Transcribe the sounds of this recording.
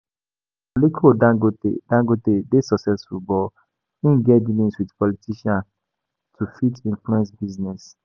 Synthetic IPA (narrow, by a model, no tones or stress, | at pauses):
olikʰodãɡotḛdãŋɡotedesɔksɛsfut̚bɔl | ĩnɡɛdilĩswidpɔlitʰiʃãn | tʰufitĩnfluɛ̃nsbiznɛs